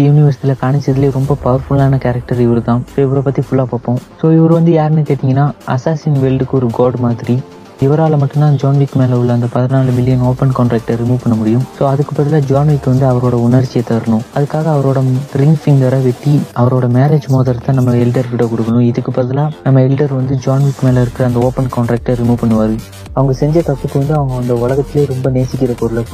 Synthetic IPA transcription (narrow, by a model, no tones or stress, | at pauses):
jʊnɪʋɐɾsɪʈ̪ːɪlɐkaːɳɪt͡ʃːɐðɪleːɾɔmbɐpɐʋɐɾfʊlaːnɐkɛːɾɐk̚ʈɐɾɪʋɐɾɯt̪ãːsoːɪʋɐɾɐpɐt̪ːifʊɭːaːpoːpːõːsoːɪʋɐɾɯʋɐnd̪ɯjaːɾɛnːɯkeːʈ̪ːɪŋɡɐnːaːʔɐsaːsinʋɛɭɖɯkːɯɔɾɯɡoːɖmaːðɪɾi | ɪʋɐɾaːlɐmɐʈːɯmnãːd͡ʒaːnʋiːkːɯmeːlɐʊɭːɐɐnd̪ɐpɐðɐnaːɭɯmɪlːɪjɐnoːpɛnkːɳʈɾɛːk̚ʈɐɾɪmuːʋpɐɳːɐmʊɽɪjɯ̃msoːɐðɯkːɯpːɐɾɐt̪ɪlãːd͡ʒaːnʋiːkːɯʋɐnd̪ɯɐʋɐɾoːɽɐʊnɐɾt͡ʃːɪjɐt̪ːɐɐɾɐnʊ̃ɐðɯkːaːɣɐːʋɐɾoːɽɐɾɪŋɡfɪŋɡʋɐɾɐʋɛʈːiɐʋɐɾoːɽɐmeːɾeːd͡ʒmoːðɐɾt̪ãːnɐmːɐɛlɪʈɐɾkɪʈːɐkʊɽɯkːɐnʊ̃ɪðɯkːɯpːɐɾɐðɪlãːnɐmːɐɛlɪʈɐɾʋɐnd̪ɯd͡ʒaːnʋiːkːmeːlɐɪɾɯkːɪɾɐɐnd̪ɐoːpɐnkɔːɳʈɾeːk̚ʈɐɾɪmuːpɐɳːɯʋaːɾɯ | ɐʋɐŋɡɐsɛɲd͡ʒɐt̪ɐt̪ːɯkːɯʋɐnd̪ɯɐʋɐŋɡɐʋɐnd̪ɐʊlɐɣɐt̪ːɪleːɾɔmbɐneːsɪkːɪɾɐkɔɾɯlɐ